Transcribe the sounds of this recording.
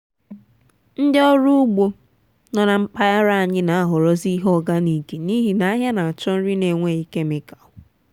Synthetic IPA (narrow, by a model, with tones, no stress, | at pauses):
n̩˦dɪ˦ɔ˦ɾu˦ʊ˦ɡ͡bo˦ | nɔ˨na˨m̩˦k͡pa˦ja˦ɾa˦a˨ɲɪ˦na˨a˦ɦʊ˨ɾɔ˦zi˦ɦɔ˦ɡa˦ni˨ke˨ni˦ɦi˨na˨˦a˦ɦja˦na˨a˨t͡ʃɔ˦n̩˦ɾi˦ne˨ŋʷe˦˨i˦ke˦mɪ˨ka˨ʊ˨